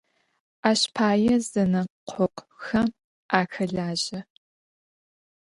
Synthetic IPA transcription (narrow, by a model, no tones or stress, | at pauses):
ʔaːɕpʰaːjɛzɐnɐqʷʰɔqʷxɐm | ʔaːxɐɮaːʑɐ